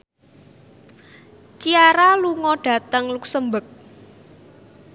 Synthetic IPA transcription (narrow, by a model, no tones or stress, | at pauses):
t͡ʃiaɾaluŋɔɖ̥ä̤t̪əŋluk̚səmbək̚